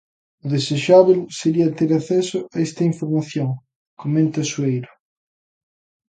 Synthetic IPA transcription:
ʊðeseʃaβelseɾiɐt̪eɾaθɛsʊaest̪ɐiɱfoɾmaθjoŋ | komẽnt̪ɐsuejɾʊ

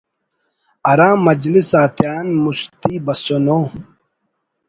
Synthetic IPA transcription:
ɐɾãːmɐd͡ʑlisaːt̪jaːnmuɕt̪iːbɐsonoː

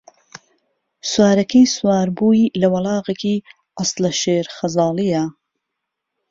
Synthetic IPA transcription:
swaːɾɐkʰɐjswaːɾbuːilɐwɐlɑːɣeki | ʔɑslɐʃeːɾxɐzɑːlˠijɐ

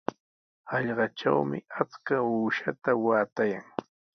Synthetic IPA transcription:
ɑʎɢɑʈ͡ʂa̰wmɪat͡skauːʃat̪awaːt̪ajaŋ

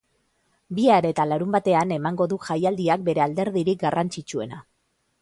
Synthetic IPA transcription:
biaɾe̞t̪alaɾumbat̪e̞ane̞maŋɡo̞ðuʝajald̪iak̚be̞ɾe̞ald̪e̞ɾðiɾik̚ɡarant͡ʃit͡ʃue̞na

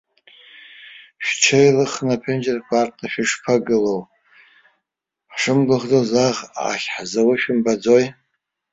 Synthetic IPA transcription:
ʃt͡ʃʰejlɨχnapʰend͡ʒerkʷʰartʰnaʃᶣɪʂpʰaɡɨlow | ħʂɨmɡɨʁd͡zozaʁa̰χʲħzawaʃᶣɪmbad͡zoj

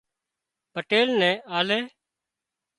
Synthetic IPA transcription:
pəʈeːlnɛ̃ːʔaːlɛː

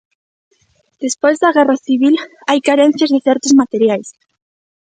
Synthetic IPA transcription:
d̪̥espojzðɐɣɛraθiβ̞ilajkaɾɛn̟θjazðeθɛɾt̪ʊzmat̪eɾjajs

